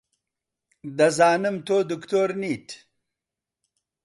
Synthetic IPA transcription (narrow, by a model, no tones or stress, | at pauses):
d̪ɐzaːnɨmt̪oːd̪ukt̪oːɾniːt